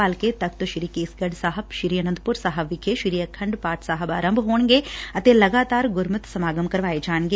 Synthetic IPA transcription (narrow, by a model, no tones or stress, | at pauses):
aːlket̪ɐk̚t̪oʃɪɾikeːsɡəɖsaːɦəbʃɪɾiːjənənd̪pʊɾsaːɦəbʋɪkʰeʃɪɾijəkʰɐ̃ɳɖpaːʈʰsaːɦəbaːɾə̃mbʱɦoːɳ̃ɡeɐt̪elɐɡaːt̪aːɾɡʊɾmət̪sɐmaːɡəmkɐɾʋaːed͡ʒaːnɡe